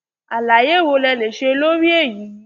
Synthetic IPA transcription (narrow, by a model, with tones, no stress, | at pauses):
a˨la˨je˦˨wo˧lɛ˧le˨ʃe˧lo˦ɾi˦e˦˨ji˨˦